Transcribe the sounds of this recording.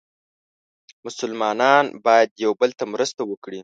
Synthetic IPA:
mʊsʊlmɑnɑnbɑjad̪jawbəlt̪amɾəst̪awəkɽi

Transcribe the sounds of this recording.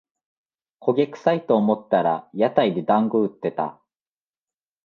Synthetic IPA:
kʰo̞ɡʲekɯ̟̥sait̪oːmo̞t̪ːaɾajat̪aid̪e̞d̪ãŋɡoɯ̟t̪ːe̞t̪a̰

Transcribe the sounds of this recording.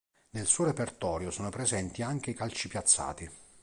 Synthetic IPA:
nelsuːɾepert̪ɔːɾjosɔːnopɾezɛnt̪iaŋk̟eikalt͡ʃipjat̪sːa̰ːt̪i

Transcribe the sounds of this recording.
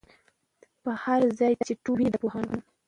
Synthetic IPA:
pəhaɾzɑj̪at͡ʃeʈubid̪əpohanun

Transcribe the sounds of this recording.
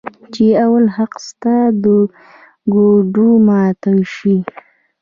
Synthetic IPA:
t͡ʃeawalhaqst̪ad̪ə | ɡoɖumɑt̪awʃi

